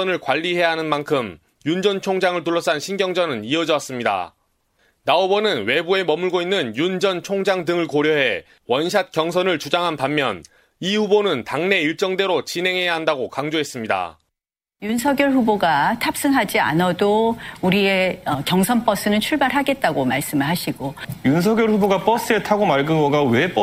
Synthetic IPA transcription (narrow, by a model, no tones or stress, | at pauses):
ʌnɯɭkwaʎːiɦe̞jɦanɯnmankʰɯm | jund͡ʑʌnt͡ɕʰoŋd͡ʑaŋɯɭtuɭːʌs͈ʰanɕʰinɡjʌŋd͡ʑʌnɯniʌd͡ʑʌs͈ɯmɲida̰ | naobʌnɯnwe̞bue̞mʌmɯɭɡoinːɯnjund͡ʑʌnt͡ɕʰoŋd͡ʑaŋdɯŋɯɭkoɾjʌɦe̞ | wʌnɕʰat̚k͈jʌŋsʰʌnɯɭt͡ɕud͡ʑaŋɦanpamːjʌn | iɸubonɯntaŋne̞iɭt͡ɕ͈ʌŋde̞ɾot͡ɕinɦe̞ŋɦe̞jaɦandaɡokaŋd͡ʑoɦe̞s͈ɯmɲida̰ | junsʰʌɡjʌɭɸuboɡatʰap̚s͈ɯŋɦad͡ʑia̰nʌdouɾieʌkjʌŋsʰʌnp͈ʌs͈ɯnɯnt͡ɕʰuɭbaɾɦaɡe̞t̚t͈aɡomaɭs͈ɯmɯɭɦaɕʰiɡojuns̬ʰʌɡjʌɭɸuboɡap͈ʌs͈ɯe̞tʰaɡomaɭɡɯŋʌɡawep͈ʌ